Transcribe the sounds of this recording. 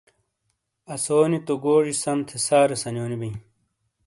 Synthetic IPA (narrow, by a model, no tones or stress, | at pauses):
ɐsoːnit̪oɡoːʐisɐmt̪ʰesaːɾesɐnjoːnibɐj̃